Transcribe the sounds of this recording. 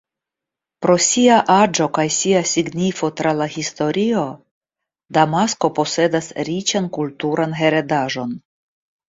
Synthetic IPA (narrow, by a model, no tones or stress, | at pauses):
pɾo̞siaʔad͡ʒo̞kajsiasiɡnifo̞tɾalahisto̞ɾio̞ | damasko̞po̞se̞dasɾit͡ʃankultuɾʔanɦe̞ɾe̞daʒo̞n